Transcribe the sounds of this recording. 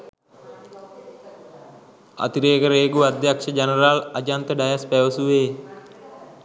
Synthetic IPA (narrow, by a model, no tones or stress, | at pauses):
a̰t̪iɾeːkəɾeːɡuad̪jakʃəd͡ʒanəɾalad͡ʒant̪əɖajaspɛʋəsuʋeː